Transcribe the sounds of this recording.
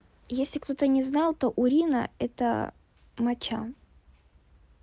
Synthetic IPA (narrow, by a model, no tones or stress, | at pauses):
jesʲlʲɪkt̪o̞t̪ənʲɪznɑlˠt̪oʔʊɾʲinə̰ɛt̪ə̰ | mɐt͡ɕa̰